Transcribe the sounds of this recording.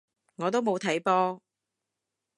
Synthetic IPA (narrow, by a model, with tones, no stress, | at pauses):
ŋɔː˨˧t̪̬o˥wmo˨˧wt̪ʰɐ˨˥jpɔː˥